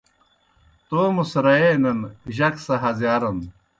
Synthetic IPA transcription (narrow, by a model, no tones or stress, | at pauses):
t̪oːmusɾɐenɐnʑɐksɐɦɐzjaːɾɐn